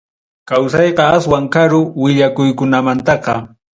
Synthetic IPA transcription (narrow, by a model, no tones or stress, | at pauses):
kawsɑjqɑaswaŋkaɾʊwɪʎakʊjkʊnamant̪ɑqɑ